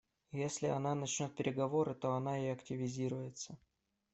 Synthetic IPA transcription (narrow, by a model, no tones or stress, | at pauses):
jesʲlʲɪɐnanɐt͡ɕnʲo̞t̪̚pʲɪɾʲɪɡɐvo̞ɾɨt̪o̞ɐnaɪɐktʲɪvʲɪzʲiɾʊjɪt̪sə